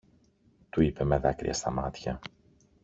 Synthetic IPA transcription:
t̪uipe̞meðɐkɾḭɐst̪ɐmɐt̪çɐ

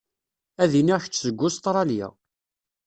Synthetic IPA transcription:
æðiniʁçt͡sːzəɡʷːʊst̪ɾˤɑljæ̰

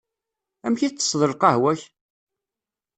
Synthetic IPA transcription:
æmçit͡sːə̥sˤðˤəlqɑhwæç

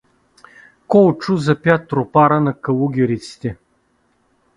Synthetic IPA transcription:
kɔt͡ʃuzɐpʲjat̪ːɾopaɾənɐkɐlˠuɡʲɛɾit̪si̥t̪ɛ

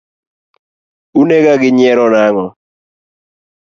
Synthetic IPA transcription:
uneɡaɡɪɲɛɾɔnaŋɔ

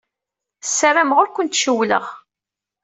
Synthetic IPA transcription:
sːəɾamʁʊɾkʷːənt̪ʃəwlə̰ʁ

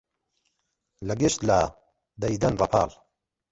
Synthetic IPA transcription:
lɐɡeʃt̪la | d̪ɐjd̪ɐnrˤɐpʰa̰ːl

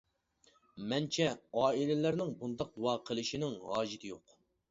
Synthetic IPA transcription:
mɛnt͡ʃʰɛɑːilɪlæɾnɪŋbund̪ɑq̚d̪uwɑːqʰəlˠɨʃinɪŋhɑːʒit̪ʰɪjoq

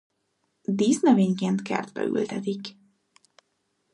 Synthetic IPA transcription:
d̪iːznɛveːɲkeːnt̪kɛ̰rd̪bɛ̰y̰lt̪ɛt̪ik

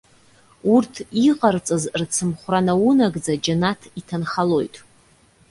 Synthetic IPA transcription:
urtʰiqʼart͡sʼazrt͡sʰɨmχʷranawunaɡd͡zad͡ʒanatʰitʰanχalo̞jtʼ

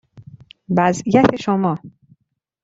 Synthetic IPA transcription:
væzijæt̪ʰe̞ʃomɒː

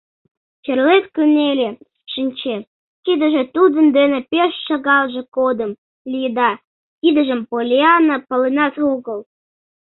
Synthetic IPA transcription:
t͡ɕerlet̪kynelʲe | ʃinʲt͡ɕe | kid̪ə̆ʒĕt̪ud̪ə̆nd̪enepeʃːɑɣɑlʒĕkod̪əm | lʲijd̪ɑ | kid̪əʒəmpolʲeɑnəpəlenɑsuɣəl

